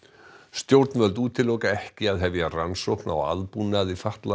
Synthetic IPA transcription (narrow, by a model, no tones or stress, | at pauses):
st̪jowɾt̪nvœlt̪̬uːt̪ʰɪlowkaɛhcɪaðɦɛvjransowhkna̰wa̰ðpunaðifaht̪la